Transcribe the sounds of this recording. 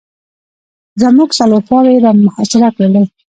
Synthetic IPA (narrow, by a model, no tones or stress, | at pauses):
zamuɡsalopɑweɾamʊhasɪɾaklaɽə